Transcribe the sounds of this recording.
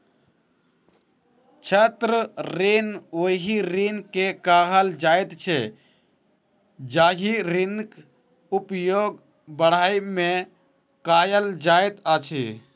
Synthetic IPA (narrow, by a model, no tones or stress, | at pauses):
t͡ʃʰət̪ɾəɾenoɦiɾinkekaːɦəld͡ʒajt̪t͡ʃʰe | d͡ʒaːɦiɾink | upjoɡ | bəɽ̤aːjmẽ | kajəld͡ʒajt̪at͡ʃʰḭ